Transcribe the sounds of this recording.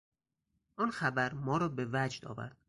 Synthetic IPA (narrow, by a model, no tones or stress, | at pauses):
ʔɒːnxæbæɾmɒːɾɒːbe̞væd͡ʒd̪ɒ̰ːvæ̰ɾd̪̥